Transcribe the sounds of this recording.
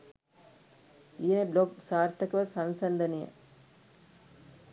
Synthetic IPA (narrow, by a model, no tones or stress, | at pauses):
ijenebloɡsaːɾt̪ːɐkɐʋɐsɐnsɐnd̪ɐnijɐ̰